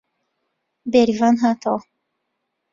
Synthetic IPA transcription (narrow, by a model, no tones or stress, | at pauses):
beɾivanɦat̪ʰo